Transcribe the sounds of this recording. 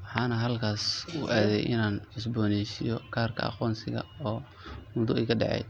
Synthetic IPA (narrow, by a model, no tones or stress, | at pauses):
wɑħɑːnɐɦɐlkʰaːsuʔaːðɛ̰jʔɪ̰naːnʕsbɔːnɛʃɪjɔkʰaːrkʰɐ̰ɑ̰qɔːnsɪɣɐ̰ɔː | mʊðʊɛːkʰɐɖɑ̰ʕɛ̰j